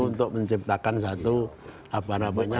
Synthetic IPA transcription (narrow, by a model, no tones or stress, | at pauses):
unt̪ʊk̚məɲt͡ʃip̚t̪akans̬at̪u | apanabaɲa